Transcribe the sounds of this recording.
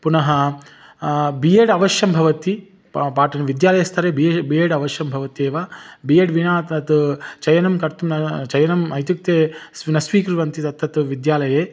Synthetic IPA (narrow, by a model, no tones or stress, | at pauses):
punɐɦɐ | bijeːɽɐʋɐʃjɐmbʱɐʋɐt̪i | paːʈɐnɐʋid̪jaːlɐjɐst̪ʰɐɾeːbibijeːɖɐʋɐʃjɐmbʱɐʋɐt̪ieːʋaːbiːjeɖʋinaːt̪ɐt̪t͡ʃɐjɐnɐmkɐɾt̪umnɐt͡ʃɐjɐnɐmɐjt̪juk̚t̪eːsnɐsʋiːkɾuʋɐnt̪it̪ɐt̪ʰːɐt̪ʋid̪jaːlɐjeː